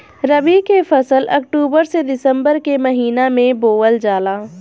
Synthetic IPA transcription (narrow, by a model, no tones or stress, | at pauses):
ɾəbikefʰɐsəlɐ̰kʈuːbəɾsed̪ɪsə̃mbəɾkemɐɦiːnamẽboːəld͡ʒaːlaː